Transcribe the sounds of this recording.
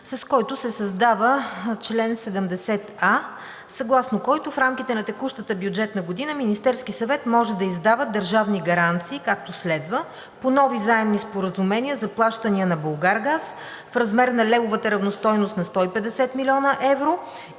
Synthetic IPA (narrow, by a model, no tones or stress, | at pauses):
sɐskɔjt̪ʊsɛsɐzd̪avət͡ʃlɛnsɛd̪ɛmd̪ɛsɛt̪a | sɐɡlˠasnokɔjt̪ʊfɾamkit̪ɛnɐt̪ɛkuʃt̪ət̪əbjud͡ʒɛt̪nɐɡʊd̪inəminist̪ɛɾskisɐvɛt̪mɔʒɛd̪ɐizd̪avəd̪əɾʒavniɡɐɾant̪siːkak̚t̪oslɛd̪və | ponɔvizaɛmnispoɾəzumɛniəzɐplˠaʃt̪əniənɐbolˠɡaɾɡas | fɾɐzmɛɾnɐlɛvʊvət̪əɾɐvnost̪ɔjnost̪nɐst̪ɔipɛd̪ɛsɛt̪milʲiɔnəʔɛvɾo